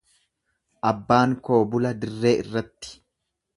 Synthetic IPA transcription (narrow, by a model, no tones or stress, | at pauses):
ʔɐbːaːŋko̞ːbʊlɐd̪ɪrːe̞ːɪrːɐt̪ːɪ̥